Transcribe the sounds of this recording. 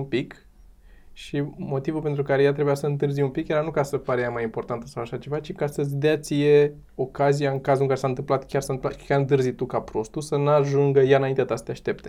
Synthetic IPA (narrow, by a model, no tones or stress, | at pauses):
umpik | ʃimo̞t̪ivulpe̞nt̪ɾukaɾejat̪ɾe̞bujasəɨnt̪̬ɨrzijumpikjeɾanukasəpaɾejamajimpo̞rt̪ant̪əsawaʃat͡ʃe̞vat͡ʃikasəzʲd̪eat̪sije̞ | o̞kazijaɨŋkazulɨŋkaɾe̞saɨnt̪ɨmplat̪kʲarsaɨɨmplakʲaɨnt̪ɨrzit̪ukapɾo̞st̪usənaʒuŋɡəjaɨnaint̪eat̪ast̪jaʃt̪e̞p̚t̪e̞